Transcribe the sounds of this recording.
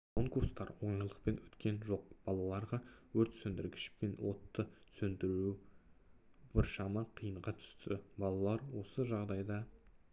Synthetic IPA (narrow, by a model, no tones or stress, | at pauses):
kʰoŋkuɾst̪ɑɾwo̞jəlˠəq̚pe̞nwɵt̪kʲʰe̞nʒo̞q̚b̥ɑlˠɑlˠɑɾʁɑwɵɾt̪sɵnd̪ɪɾɡʲɪ̥ʃpe̞nwo̞t̪ːəsɵnd̪ɪɾu | b̥ɪɾʃɑmɑqʰijəɴʁɑt̪ʰʏ̥st̪ʰɪbɑlˠɑlˠɑɾwo̞səʒɑʁd̪ɑjd̪ɑ